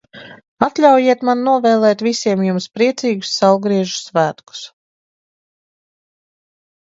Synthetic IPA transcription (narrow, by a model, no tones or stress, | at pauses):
at̪lʲawjiɛt̪mannuɔvɛːlˠɛːt̪visʲiɛmjumspɾiɛt̪siːɡu̥sːawɡɾiɛʒu̥svæːt̪ku̥s